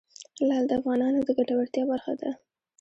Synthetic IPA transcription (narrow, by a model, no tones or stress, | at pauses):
lɑd̪əafɣɑnɑnod̪əɡaʈawaɽt̪jɑbaɾxad̪a